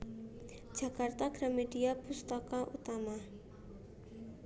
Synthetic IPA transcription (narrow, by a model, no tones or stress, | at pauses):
d͡ʒ̥a̤kart̪aɡ̥ɾameɖiab̥ust̪akaʔut̪ama